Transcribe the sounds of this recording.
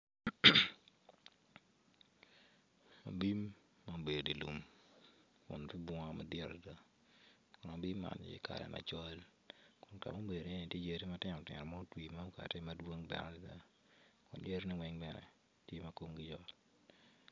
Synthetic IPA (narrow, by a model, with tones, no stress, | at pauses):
a̰˨bi˦mː | a˦˨be˨ddi˨lu˨m | kʊ̰˨npi˦bwa˦ma˦dɛ˨ɾa˨da˦ | kʊ˨na˨bi˦mːa̰˨nɪ̰˦kʰa̰˨ɾɛ̰˨mʔa̰˨t͡ʃɔ˦l | kʊ˨nka̰˨mo˦be˨dni˨e˦ni˨tje˦d͡ʒe˦ɾi˦ma˦tɪ˦nɔ˨tɪ̰˨ɾɔ˨ma˦twi˨ma˦u˦ka̰˨te˦ma˦dwo˦ŋbɛ̰˨ɾa˦˨da˦ | kʊ˨nd͡ʒe˦ɾni˦wɛ˦ŋbɛ˨nɛ̰˨ | tje˦mɐ˦ko˦ŋɡɪ˦d͡ʒɔ˦t